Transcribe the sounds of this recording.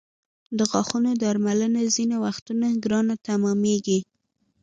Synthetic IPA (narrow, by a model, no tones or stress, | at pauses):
d̪əɣɑxunod̪ɑɾmalənazinawaxt̪unaɡɾɑnat̪amɑmeɡi